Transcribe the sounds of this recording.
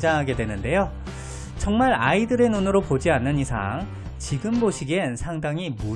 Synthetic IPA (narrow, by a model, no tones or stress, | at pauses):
d͡ʑaŋɦaɡe̞dwe̞nɯnde̞jo | t͡ɕʌŋmaɾa̰idɯɾe̞nonɯɾopod͡ʑianːɯnisʰa̰ŋ | t͡ɕiɡɯmboɕʰiɡensʰaŋdaŋimu